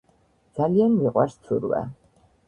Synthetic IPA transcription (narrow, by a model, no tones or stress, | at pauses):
d̪z̥alianmiqʼwaɾst̪sʰuɾwɛ̰